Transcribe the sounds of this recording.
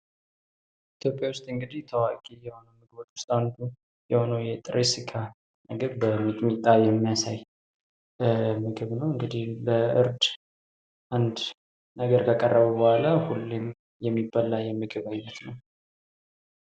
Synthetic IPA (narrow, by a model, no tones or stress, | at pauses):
it̪ʰjo̞pʼjawʊst̪ʼɨŋɡɨd̪iht̪ʰəwakʼijɛho̞nəwmɨɡbot̪wʊst̪ʼawnd̪u | jɛho̞nəwjɛt̪ʼɾʔesikʰa | nɨɡɨβbəmit̪ʼmit̪ʼːajɛmːijasaj | mɨɡɨβnəwɨŋɡɨd̪ihbəɨɾd̪ | ʔand̪ | nəɡəɾkʰakʼərːəβəbəhalahulːim | jɛmːibalːajɛmɨɡɨβajnɛt̪nəw